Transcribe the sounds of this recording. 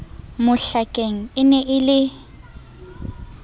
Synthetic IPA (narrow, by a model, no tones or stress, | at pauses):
mʊɬakʼeŋ̩ɪnɛʔɪlɪ